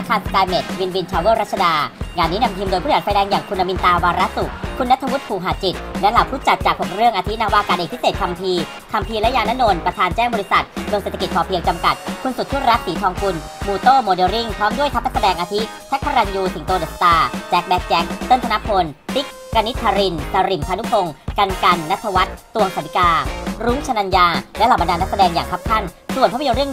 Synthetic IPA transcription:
a˧˥kʰːaː˧˩skaː˧jme˨˩t̪̚wi˧nwi˧nt͡ɕʰaː˧weː˦˥˩ɾa˦˥t̪̚t͡ɕʰa˧daː˧ŋaː˧nːiː˦˥na˧mt̪ʰiː˧mdo˧jʰu˥˩˨fa˧jdɛː˧ŋjaː˨˩ŋkʰu˧nːa˧mi˧nt̪aː˧waː˧ɾa˦˥su˨˩k̚kʰːu˧nːa˦˥t̪ʰːa˧wu˦˥t̪̚pʰuː˨˩ɦaː˨˩t͡ɕi˨˩t̪̚lɛ˦˥laː˨˩wpʰuː˥˩t͡ɕa˨˩t̪̚t͡ɕaː˨˩k̚ho˨˩ɾɯ˥˩əŋʔa˧t̪ʰi˦˥naː˧waː˧kaː˨˧nʔeː˨˩k̚pʰi˦˥seː˨˩t̪̚kʰa˧mpʰiː˧ | kʰa˧mpʰiː˧lɛ˦˥jaː˧naː˦˥no˧npɾa˧t̪ʰaː˧nt͡ɕɛː˥˩ŋbɔ˧li˦˥sa˨˩t̪̚mɯ˧əŋseː˨˩t̪ʰːki˨˩pʰɔː˧˩pʰi˧əŋt͡ɕa˧mka˨˩t̪̚kʰu˧nsu˨˩t̪ʰːu˥˩ɾa˦˥t̪̚siː˨˩˦t̪ʰɔː˧ŋku˧n | muː˧t̪oː˥˩moː˧deː˧ɾi˥˩ŋt̪ʰɔː˦˥ŋdu˥˩ət̪ʰa˦˥p̚na˦˥sa˧dɛː˧ŋʔaː˧t̪ʰi˦˥ | t̪ʰa˦˥k̚pʰa˧ɾa˧njuː˧si˩˦ŋt̪oː˧de˨˩st̪aː˧t͡ɕɛː˦˥k̚bɛ˦˥k̚t͡ɕɛ˦˥k̚t̪ɤ˥˩nt̪a˧na˦˥pʰo˧nt̪i˦˥k | kːa˧ni˦˥t̪ʰːaː˧ɾi˧nsa˧ɾi˨˩mp̪ʰaː˧nu˦˥pʰo˧ŋka˧nka˧nːa˦˥t̪ʰːa˧wa˦˥t̪̚ːu˧əŋsa˩˦d̪i˨˦kaː˧ɾuː˦˥ŋt͡ɕʰa˧na˧njaː˧lɛ˦˥la˨˩ma˧ndaː˧nːa˦˥k̚sa˧dɛː˧ŋja̰ː˨˩ŋk̪ʰa˦˥p̚kʰa˥˩nsu˨˩ənpʰaː˥pʰjo˧nɾɯ˥˩ən

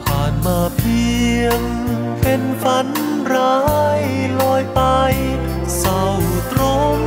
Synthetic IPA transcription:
pʰaː˧˩nmaː˧˩pʰi˧əŋ | pe˧nfa˧˥n | ɾaː˧˦˥jlɔː˧jpa˧j | sa˧wt̪ɾo˧˥ŋ

